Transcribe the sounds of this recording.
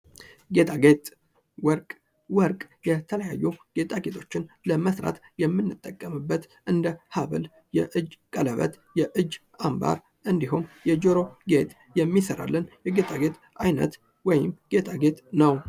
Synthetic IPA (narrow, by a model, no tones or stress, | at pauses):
ɡe̞t̪ʰʼaɡet̪ʼ | wəɾkʼ | wəɾkʼjɛt̪ʰələjajːuɡ̥e̞t̪ʼaɡe̞t̪ʰo̞t͡ʃːɪnləməsɾa̰t̪jɛmːɨnːɨt̪ʼːəkʼːəmɨbːət̪ | ʔɨnd̪əhaβə̰l | jɛʔɨd͡ʒkʼələβə̰t̪ | jɛʔɨd͡ʒː | amba̰ɾ | ʔɨnd̪iɦumjɛd͡ʒoɾo̞ɡe̞t̪ | jɛmːisəɾa̰lːənjɛɡe̞t̪ʼaɡe̞t̪ | ʔajnə̰t̪ | wɔjɪmɡ̥e̞t̪ʰʼaɡe̞t̪nəw